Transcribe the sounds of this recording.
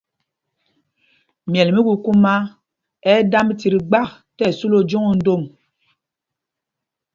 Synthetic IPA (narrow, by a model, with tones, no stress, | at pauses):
mjɛ˨lmi˦ɡu˦ku˦ma˦ | ɛ˦da˦m˦ti˨ɾi˨ɡ͡ba˦˨k | tɛ˦˨su˦lo˨d͡ʒo˦ŋo˨n̩˦do˦˨m